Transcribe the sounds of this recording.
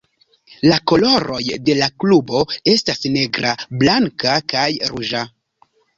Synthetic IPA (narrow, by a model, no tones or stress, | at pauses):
lako̞lo̞ɾo̞jde̞laklubo̞e̞stasne̞ɡɾablaŋkakajɾuʒa